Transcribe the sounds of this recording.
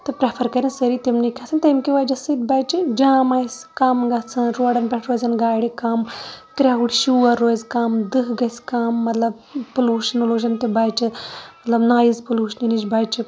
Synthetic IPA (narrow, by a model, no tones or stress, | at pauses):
t̪ɨpɾepʰɐɾkɐɾʲinsɐɾit̪imnikʲʰasɐnt̪ɐmkʲiʋaːd͡ʒɐsid̪̚baːjt͡ʃid͡ʒãːmaːsʲkaːmɡɐt͡sʰɐnɾoːɽɐnpʲɛʈʰɾoːzɐnɡaːɽikaːmkɾʲaɦuʈʃuːɐɾːoːzkaːmd̪ɨkɡɐsʲkaːmːɐt̪lɐb̚ | puluːʃɐnuluːʃ̬ɐnt̪ɨbaːjt͡ʃimɐt̪lɐbnaːjizpuluːʃɐninid͡ʒbaːt͡ʃi